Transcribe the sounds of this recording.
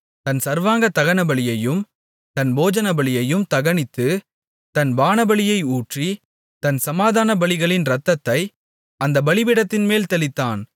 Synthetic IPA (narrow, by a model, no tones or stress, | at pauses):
t̪ɐnsɐɾʋaːŋɡɐt̪ɐɣɐnɐbɐɭɪjɐjɯm | t̪ɐnboːd͡ʒɐnɐbɐɭɪjɐjɯmt̪ɐɣɐɳɪt̪ːɯ | t̪ɐnbaːnɐbɐɭɪjɐɪuːʈri | t̪ɐnsɐmaːðaːnɐbɐɭɪɣɐɭɪnɾɐt̪ːɐt̪ːɐɪ | ɐnd̪ɐbɐɭɪʋɪɽɐt̪ːɪnmeːlt̪ɐlɪt̪ːaːn